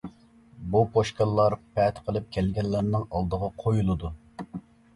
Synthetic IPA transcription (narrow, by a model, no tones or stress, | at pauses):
bupʰoʃkɑlˠːɑɾpʰɛt̪qʰəlˠɨp̚kʲʰɛlɡʲɛlːæɾnɪŋɑlˠd̪əʁɑqʰojulˠɨd̪u